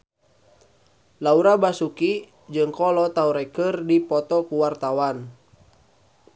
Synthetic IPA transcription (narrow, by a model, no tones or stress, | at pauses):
lauɾabasuki | d͡ʒɨŋkɔlɔt̪auɾɛkərdipɔt̪ɔkuwart̪awan